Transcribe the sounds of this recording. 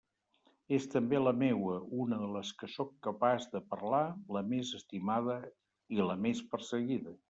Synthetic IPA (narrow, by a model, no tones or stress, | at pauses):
est̪əmbeləmewəunəðələskəsɔkːəpazðəpərlaləmezəst̪imaðə | iləmespərsəɣiðə